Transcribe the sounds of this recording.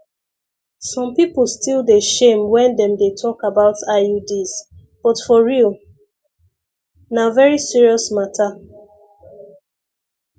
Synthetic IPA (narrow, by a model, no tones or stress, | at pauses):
sɔ̃mpipl̩ˠstilˠdeʃẽmwɛ̃ndɛ̃mdetʰɔkabaʊtʰaudis | b̥ɔtfɔɹilˠ | navɛɹisiɹiɔsmatʰa